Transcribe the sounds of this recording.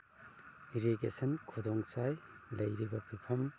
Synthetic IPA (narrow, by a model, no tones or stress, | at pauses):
iɾiɡesɐnkʰudɔŋt͡ʃajlɐjɾibɐpʰipʰɐm